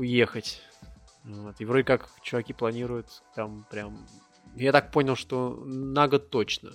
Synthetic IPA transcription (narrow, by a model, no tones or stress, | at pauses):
ʊjexətʲ | vot̪ɨvɾodʲɪkakt͡ɕʊvɐkʲiplˠɐnʲiɾʊjʊt̪t̪ampɾʲam | jat̪ak̚ponʲɪlˠʂt̪o̞naɡət̪o̞t͡ɕnə̰